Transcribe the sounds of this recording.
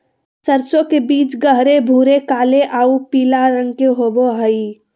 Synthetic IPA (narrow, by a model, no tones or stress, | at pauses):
səɾsõkebiːt͡ʃɡəɦɾebʱuːɾekaːleʔaːupiːlaɾə̃ŋɡkeɦoːboɦəi